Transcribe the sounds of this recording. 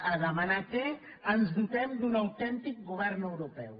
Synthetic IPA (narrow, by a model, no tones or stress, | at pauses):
əðəmanate | ənzðut̪ɛmd̪unawt̪ɛnt̪ik̚ɡuβɛɾnəwɾupɛw